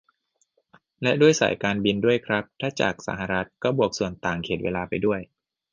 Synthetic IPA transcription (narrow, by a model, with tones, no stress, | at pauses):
lɛ˦˥ʔdu˥˩əjsa̰˨˩˦jkaː˧nbi˧ndu˥˩əjkʰɾa˦˥p̚t̪ʰaː˥˩t͡ɕa̰ː˨˩k̚sa̰˩˦ɦa˨ɾa˦˥t̪̚kɔː˥˩bu˨˩ək̚su˨˩ənt̪aː˨˩ŋkʰeː˨˩t̪̚weː˧laː˧pa˧jdu˥˩əj